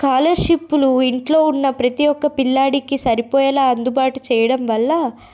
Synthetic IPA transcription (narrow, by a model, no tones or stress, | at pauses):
kaːlɐɾʂipːuluiɳʈlo̞ːunːɐpɾɐt̪ijɔkːɐpilːaːɽikisɐɾipɔːjɐlaːɐnd̪ubaːʈut͡ʃɛːjɐɽɐmʋɐlːɐ